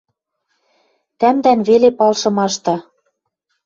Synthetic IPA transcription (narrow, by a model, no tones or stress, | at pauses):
t̪æmd̪ænβelepɑlʃɤ̆mɑʃt̪ɑ